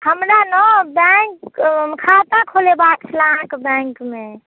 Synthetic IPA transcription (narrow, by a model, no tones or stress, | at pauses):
həmɾanɔbɛkmkʰat̪ãkʰolebakt͡ʃʰlããkbɛ̃ŋkme